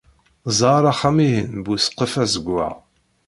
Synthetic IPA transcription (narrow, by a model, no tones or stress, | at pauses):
zˤɑɾˤɑχæmiɦənbusqːəfæzəɡʷːæ̰